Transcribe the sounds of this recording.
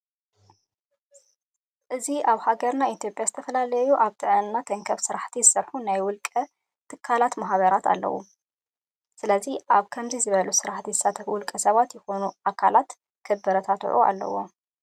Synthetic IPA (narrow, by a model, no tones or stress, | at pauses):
ʔɨziʔaβhaɡɐɾnait̪ʰjo̞pʼjazɨt̪ʰɐfɐlaljuʔaβt̪ʰɨʕnnat̪ʰɐŋkʰɐβsɨɾaħt̪ʰizɨsɐɾħunajwʊlkʼɐ | t̪ʰɨkʰːalat̪maɦβɐɾat̪ʰa̰lːɐ̰wṵ | sɨlɐziʔaβkʰɐmzizɨβɐlusɨɾaħt̪ʰizɨsat̪ʰɐwʊlkʼɐsɐβat̪jɪxo̞nuʔakʰalat̪ | kʰɐbːɐɾɐt̪ʰat̪ʰʕṵʔa̰lːɐ̰wo̰